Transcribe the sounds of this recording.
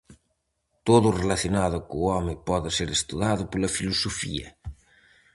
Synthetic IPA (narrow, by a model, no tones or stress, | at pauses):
t̪oðʊrelaθjonaðʊkuːɔmɪpɔðɪseɾest̪uðaðʊpolɐfilusofḭɐ̰